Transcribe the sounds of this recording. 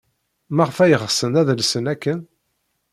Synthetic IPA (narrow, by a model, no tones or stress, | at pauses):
mæʁəfæjəʁsənæðlsənækːən